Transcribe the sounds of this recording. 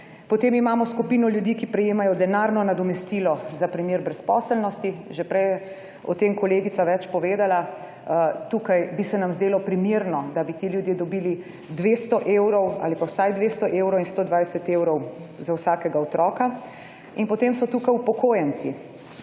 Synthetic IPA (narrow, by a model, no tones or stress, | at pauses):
pɔt̪emimaːmɔskupiːnɔljud̪ikipɾɛjeːmajɔd̪ɛnaːɾnɔnad̪ɔmɛst̪iːlɔzapɾimjiːɾbɾɛspɔːsəlnɔst̪iʒɛpɾɛjɛ | ɔ̰t̪emkɔleːɡit̪saʋɛt͡ʃpɔʋeːd̪ala | t̪uːkajbisɛnamzd̪eːlɔpɾimiɾnɔd̪abit̪iljud̪jed̪ɔbiːli | d̪ʋeːst̪ɔʔewɾɔwa̰ːlipawsajd̪ʋest̪ɔʔewɾɔwinst̪oːd̪ʋajsɛt̪ewɾɔwzawsaːkɛɡaɔt̪ɾɔːka | inpɔt̪emsɔt̪uːkajupɔkoːjɛnt̪si